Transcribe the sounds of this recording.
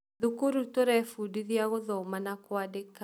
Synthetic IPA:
ðukuɾutoɾɛfudiðiaɣoðɔmanakwadek

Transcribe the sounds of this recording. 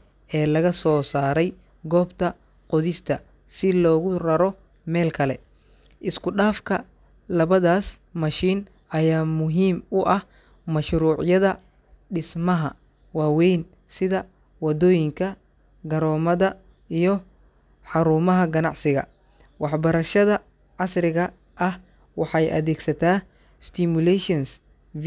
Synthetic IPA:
ʔɛːlɐɣɐsɔːsaːɾɛj | ɡɔːbt̪ʰɐ | qɔðɪst̪ʰɐ̰ | sɪlɔːɣʊrɐɾɔ | mɛːlkʰɐlɛ̰ | ʔɪskʰʊɗaːfkʰɐ | lɐβɐðaːsmɐʃiːn | ʔɐjaːmʊɦiːmʊʔɐh | mɐʃɾuːʕjɐðɐ | ɖɪsmɐɦɐ̰ | waːwɛjn | sɪðɐ | wɐd̪ɔːjɪŋkʰɐ | ɡɐɾɔːmɐðɐ | ijɔ | ħɑɾuːmɐɦɐɡɐnɑʕsɪɣɐ̰ | wɑħbɐɾɐʃɐðɐ | ʕɑsrɪɣɐ | ʔɐh | wɑħɑjʔɐ̰ðɛːɡsɐt̪ʰaː | st̪ʰɪmʊlɛʃɔns

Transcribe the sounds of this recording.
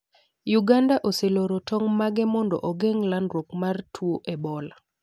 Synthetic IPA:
juɡandaʔoseloɾotɔŋmaɡɛmɔndɔ̰ʔoɡeŋlandɾwokmartʰwoʔebɔla

